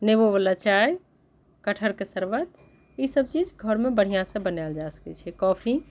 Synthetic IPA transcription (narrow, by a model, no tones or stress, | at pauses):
neboβəlat͡ʃaj | kəʈʰəɾkesəɾbət̪ | isəb̚t͡ʃid͡ʒɡʱəɾmebəɽ̤ijãsə̃bənald͡ʒasə̥kɛ̰t͡ʃʰɛkɔpʰi